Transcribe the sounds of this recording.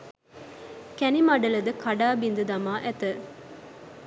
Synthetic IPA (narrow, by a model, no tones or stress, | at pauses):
kænimɐɖəlɐd̪əkʰɐɖaːbind̪ud̪ɐmaːʔæt̪ə